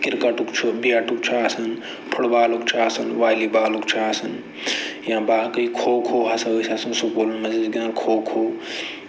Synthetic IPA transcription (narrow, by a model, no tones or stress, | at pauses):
kiɾkɐʈukt͡ʃʰumbijaʈuk̚t͡ʃʰaːsɐn | pʰuɽbaːlukt͡ʃʰasɐnʋaːlibaːlukt͡ʃʰaasɐn | jãbaːkɐikʰoːkʰoːɦɐsɐosasɐnsukoːlunmɐzizɡinakʰoːkʰoː